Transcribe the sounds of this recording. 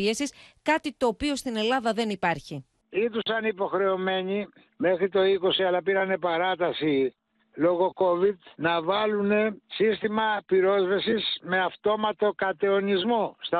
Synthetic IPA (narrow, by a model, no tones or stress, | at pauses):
esiskɐt̪it̪o̞ːpio̞st̪ine̞lɐðɐðe̞nipɐɾçi | it̪usɐnipo̞xɾe̞o̞me̞ɲi | me̞xɾit̪o̞iko̞siɐlɐpiɾɐne̞pɐɾɐt̪ɐsi | lo̞ɣo̞ko̞vid̪nɐvɐlune̞sist̪imɐpiɾo̞zvesisme̞ɐft̪o̞mɐt̪o̞kɐt̪e̞o̞nizmost̪ɐ